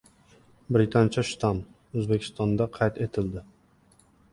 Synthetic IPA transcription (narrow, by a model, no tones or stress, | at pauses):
bɾɪt̪ʰant͡ʃʰaʃt̪ʰam | ɵzbekʲʰɪ̥st̪ɒnd̪aqʰɑjt̪et̪ʰɪld̪ɪ